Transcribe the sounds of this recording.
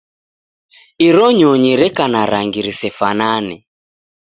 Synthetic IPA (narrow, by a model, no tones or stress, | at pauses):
iɾɔɲɔɲiɾɛkanaɾaŋɡiɾisɛfananɛ